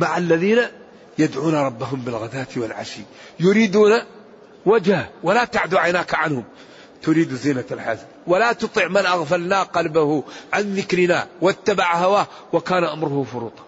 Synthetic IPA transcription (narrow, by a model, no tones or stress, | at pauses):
maʕalːaðiːna | jad̪ʕuːnaɾˤɑbːaɦʊmbɪlɣad̪aːt̪wɪlʕa̰ʃiː | jʊɾiːd̪uːna | wad͡ʒhawalat̪aʕd̪uʕajnaːkʕanhʊm | t̪ʊɾiːd̪uziːnaalħaznwalat̪ʊt̪ˤɪʕmɪnʔaɣfalnaːqɑlbahʊʕanðɪkɾɪnawat̪ːabaʕhawaː | wakaːnʔamɾʊhʊfʊɾuːt̪ˤɑ̥